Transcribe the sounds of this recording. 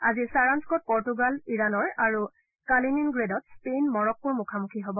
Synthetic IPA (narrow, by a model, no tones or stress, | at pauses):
a̰zisaɹanskɔt̚pɔɹtuɡaliɹanɔɹaɹu | kalininɡɹedɔt̚spejnmɔɹɔk̚puɹmukʰamukʰiɦobɔ